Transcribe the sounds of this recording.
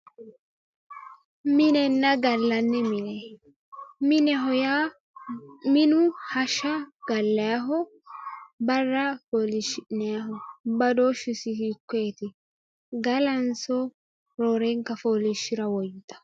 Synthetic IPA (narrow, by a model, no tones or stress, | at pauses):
mɪnɛnːɐɡɐlːɐnːɛmɪnɛ | mɪnɛɦɔjaː | mɪnʊhɐʃɐɡ̥ɐlːɐjaɦɔ | bɐrːɐfoːlɪʃɪnɛjaɦɔbɐd̪oʃɪsɪhikːɔɛt̪ɪ | ɡɐlɐnsɔ | ɾoːɾɛŋkːɐfoːlɪʃɪɾɐwɔjt̪ːɐ̥